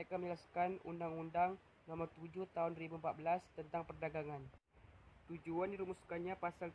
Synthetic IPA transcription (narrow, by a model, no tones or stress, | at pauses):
məɾekaməɲəlaskanṵndaŋundaŋ | nɔmɔrt̪ud͡ʒʊht̪aɦʊnribuəmpat̪̚bəlast̪ənt̪aŋpərdaɡaŋan | t̪ud͡ʒuandiɾumuskanɲapasal